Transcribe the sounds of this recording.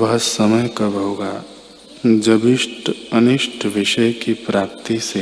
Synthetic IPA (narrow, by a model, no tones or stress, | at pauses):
bɐsːəməjkəbʱəoɡa | d͡ʒəbiʃʈənɪʃʈʰʋɪʃəjkipɾaːp̚t̪ise